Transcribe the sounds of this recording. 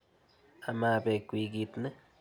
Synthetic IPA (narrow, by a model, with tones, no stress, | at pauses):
a˧ma˧be˧kʷi˧ɡi˧t̪ne˦